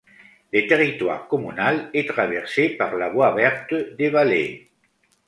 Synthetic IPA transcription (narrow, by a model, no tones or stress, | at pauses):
lət̪eʁit̪wa̰ʁkɔmynalɛt̪χavɛʁsepaʁlavwavɛʁt̪d̪evalḛ